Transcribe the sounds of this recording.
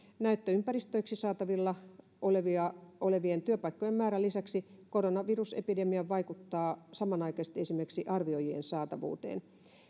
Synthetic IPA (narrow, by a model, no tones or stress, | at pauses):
næyt̪ːøympæɾist̪øjksisɑːt̪ɑʋilːɑ | ʔoleʋiɑoleʋient̪yøpɑikːojemæːɾælisæksikoronɑʋirusḛpidemiɑʋɑikut̪ːɑːsɑmɑnɑikɑst̪esimerksiʔɑrʋio̞jiḛnsɑːt̪ɑʋṵːt̪ḛːn